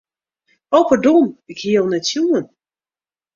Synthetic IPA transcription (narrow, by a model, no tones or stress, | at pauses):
owpərdɔnɪkhiəlˠnɛtsjuːən